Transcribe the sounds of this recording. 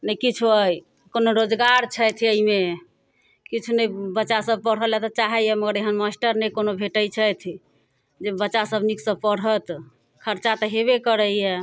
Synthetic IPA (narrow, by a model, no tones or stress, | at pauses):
nəkit͡ʃʰuəj | konoɾod͡ʒɡaɾt͡ʃʰəjt̪ʰiəime | kit͡ʃʰunəbətːʃasəb̚pəɽ̤ɦəlat̪ɔt͡ʃaɦɛjɛməɡəɾeɦənmasʈəɾnɛkonobʱeʈəjt͡ʃʰəjt̪ʰi | d͡ʒebətːʃasəbʱniksəb̚pəɽɦət̪ | kʰəɾt͡ʃat̪ɔɦeβekəɾəjɛ